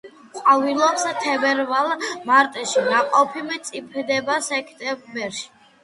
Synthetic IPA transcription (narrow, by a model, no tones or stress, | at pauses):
qʼwavilˠɔpst̪ʰɛbɛɾvalˠmaɾt̪ʼɛʃinaqʼɔpʰimɛt̪sʼipʰɛd̪ɛbasɛkʰt̪ʼɛbɛɾʃi̥